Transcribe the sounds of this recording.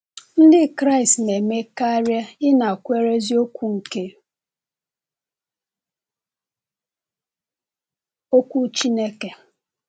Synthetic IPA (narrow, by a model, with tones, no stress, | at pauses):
n̩˦dɪ˦kɾa˦i˨stne˨me˦ka˦ɾja˦ɪ˦na˨kʷe˦ɾe˦zi˦o˦kʷu˦ŋ̩˨ke˦ | o˦kʷu˦t͡ʃi˦ne˦ke˨